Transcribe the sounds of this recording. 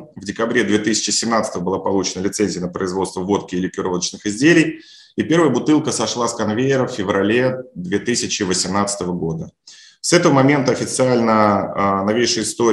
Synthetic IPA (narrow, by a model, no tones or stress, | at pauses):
vdʲɪkɐbɾʲe̞d̪vʲet̪ɨsʲɪ̥t͡ɕɪsʲɪmnat̪sə̥t̪əvəbɨlˠapɐlˠut͡ɕɪnəlʲɪt̪sɛnʲzʲɪjənəpɾəɪzvo̞t̪st̪vəvo̞t̪kʲɪːlʲɪkʲɪɾolˠət͡ɕnɨxɪzʲdʲelʲɪj | ipʲe̞ɾvəjəbʊt̪ɨlˠkəsɐʂlˠaskɐnvʲejɪɾəffʲɪvɾɐlʲe̞d̪vʲe̞t̪ɨsʲɪt͡ɕɪvəsʲɪmnat̪sə̥t̪əvəɡo̞d̪ə | sɛt̪əvəmɐmʲe̞nt̪əɐfʲɪt̪sɨalʲnənɐvʲejʂəjɪst̪o̞